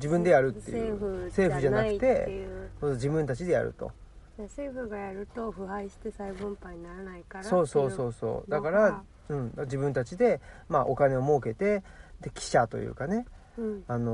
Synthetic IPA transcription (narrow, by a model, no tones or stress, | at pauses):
d͡ʑibɯ̟̃nd̪e̞jaɾɯ̟t̪ːejɯɯse̞ːɸɯ̟ʑanakɯ̥t̪e̞kod͡ʑibɯ̟̃nt̪at͡ɕid̪e̞ja̰ɾɯ̰t̪o̞̰ | jaseːɸɯɡajaɾɯ̟t̪o̞ɸɯ̟ɦaiɕi̥t̪e̞saibɯ̃mpaɲinaɾanaikaɾso̞ːso̞ːso̞ːso̞̰ːd̪akaɾa | ɯ̟̃ɴd̪ad͡ʑibɯ̟̃nt̪at͡ɕid̪e̞maʔo̞kane̞o̞mo̞ːke̞t̪e̞d̪e̞kʲʰi̥ɕat̪o̞̰jɯ̰ːkane̞ | ano̞